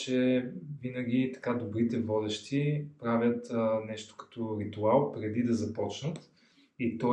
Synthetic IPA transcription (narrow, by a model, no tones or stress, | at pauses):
t͡ʃɛvinɐɡ̟ʲit̪ɐ̥kad̪obɾit̪ɛvɔd̪ɛʃt̪ipɾavʲjət̪nɛʃt̪o̥kɐ̥t̪ɔɾit̪ualˠpɾɛd̪id̪ɐzɐpɔt͡ʃnət̪ | it̪ɔ